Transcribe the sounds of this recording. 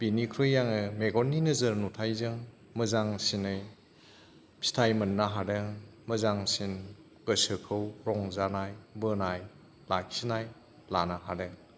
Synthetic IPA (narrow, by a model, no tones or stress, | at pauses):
b̥inikʰɾɯjjaŋɯmeɡɔnːinɯzɐɾnutʰajzɯŋ | məzaŋsinɯj | stʰajmɐnːaɦadɯŋməzaŋsin | ɡ̥əsɯkʰɯwɾɔŋzanajbɯnaj | lak̚sinaj | lanaɦadɯŋ